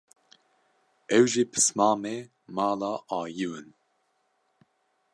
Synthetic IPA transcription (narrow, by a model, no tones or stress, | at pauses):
ɛwʒipʰɨ̥smɑːme | mɑːlɑːʔɑːjɨwɨn